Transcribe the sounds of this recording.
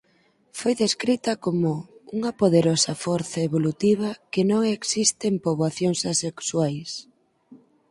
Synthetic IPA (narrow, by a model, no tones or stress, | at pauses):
fojðeskɾit̪ɐkomʊuŋɐpoðeɾosɐfɔɾθaeβolut̪iβ̞ɐkenõŋeksist̪empoβwaθjoŋsasekswajs